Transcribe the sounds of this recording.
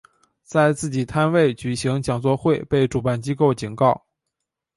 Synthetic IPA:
t͡sa˥˧ɪt͡sɹ̩˥˩t͡ɕi˨˩t̪ʰa˥nwe˥˩ɪt͡ɕy˨˩ɕi˧˥ŋt͡ɕjɑ˨˩ŋt͡swɔ˥˧xwe˥˧ɪpe˥˩ɪʈ͡ʂu˨˩pa˥˩nt͡ɕi˥ko˥˩ʊt͡ɕi˨˩nkɑ˥˩ʊ

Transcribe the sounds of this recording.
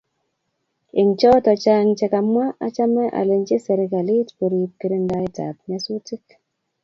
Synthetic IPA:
ɪ˨ŋt͡ʃɔ˦tɔ˨t͡ʃa˦ŋt͡ʃɛ˨ka˨mwa˦ʔa˦t͡ʃa˦mɛ˦ʔa̰˨le˨ɲt͡ʃe˦sɛ˨ɾe˨ka˨li˦tpo˨ɾi˨p̚ke˦ɾe˦nda˦ɪ˦ta̰˨p̚ɲa˦so˦ti˦k

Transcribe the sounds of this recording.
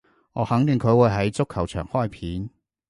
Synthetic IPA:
ŋɔː˨˧hɐ˨˥ŋt̪ɪ˨ŋkʰɵ˨˧ɥwuː˨˧˩jɦɐ˨˥jt͡sʊ˥kʰːɐ˨˩wt͡ʃʰœː˨˩ŋhɔː˥jpʰiː˨˥n

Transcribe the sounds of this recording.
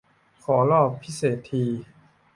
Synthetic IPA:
kʰɔː˩˦lɔː˥˩pʰːi˦˥seː˨˩t̪ʰːiː˧

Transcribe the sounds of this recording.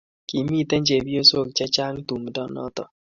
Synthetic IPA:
ki˨mi˦t̪ɛ˦ɲd͡ʒe˨bi˦o˦so˦˨k̚t͡ʃɛ˦t͡ʃa˦ŋt̪u˨mdɔ˦nɔ̰˦t̪ɔ˨

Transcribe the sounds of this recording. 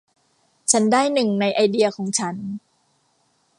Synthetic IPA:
t͡ɕʰa˦˥ndaː˥˩jnɯ˨˩ŋna˧jʔa˧jdi˧ɐ˧kʰɔː˩˦ŋt͡ɕʰa˦˥n

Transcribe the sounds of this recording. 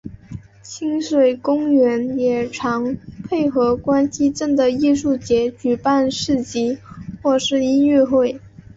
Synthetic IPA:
t͡ɕʰi˥ŋʂwe˨˩ɪkʊ˥ŋɥɛ˧˥njɛ˨˩ʈ͡ʂʰɑ˧˥ŋpʰe˥˩ɪxɤ˧˥kwa˥nɕi˥ʈ͡ʂə˥˩ŋd̪ə˩i˥˧ʂu˥˩t͡ɕjɛ˧˥t͡ɕy˨˩pa˥˧nʂɻ̩˥˩t͡ɕi˧˥xwɔ˥˧ʂɻ̩˥˧i˥nɥɛ˥˧xwe˥˩ɪ

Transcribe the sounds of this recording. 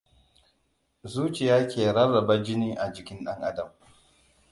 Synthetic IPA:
zuː˦t͡ʃɪ˨jaː˦kʲeː˨ɽɐ˦rːɐ˨ba˦d͡ʒɪ˦niː˦ʔa˨d͡ʒɪ˨kʲɪ˦nɗɐ˦ŋʔa̰˦dɐ˨m

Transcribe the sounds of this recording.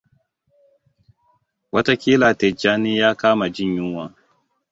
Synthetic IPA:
wɐ˦ta˦kʲiː˦laː˨tɛ˨d͡ʒaː˦neː˦jaː˦kaː˦ma˨d͡ʒɪ˦˨ɲjɪ˦ŋwaː˨

